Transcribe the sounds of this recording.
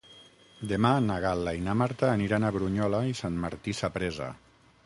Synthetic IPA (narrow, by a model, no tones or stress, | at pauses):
d̪emanaɣalainamaɾt̪aːniɾanaβɾuɲɔlaisanmaɾt̪isapɾeza̰